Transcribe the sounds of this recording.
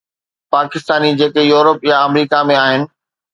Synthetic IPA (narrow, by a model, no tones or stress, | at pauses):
paːkɪst̪aːnid͡ʑeːkejuːɾəpjaɐmɾiːkamẽaːɦɪnɪ̆